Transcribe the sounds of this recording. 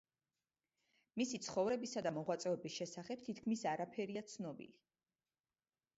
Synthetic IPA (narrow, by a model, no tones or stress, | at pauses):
misit̪sʰχɔvɾɛbisad̪amɔʁwat̪sʼɛɔbisʃɛsaχɛp̚t̪ʰit̪ʰkʰmisaɾapʰɛɾiat̪sʰnɔbḭli